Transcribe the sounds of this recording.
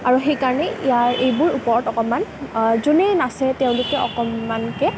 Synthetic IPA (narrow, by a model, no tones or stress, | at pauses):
aɹuxejkaɹɔnɛʔijaɹʔejbʊɹupɔɹɔtɔkɔmanzunenasɛteʊ̃lʊkɛɔ̰kɔmːankɛ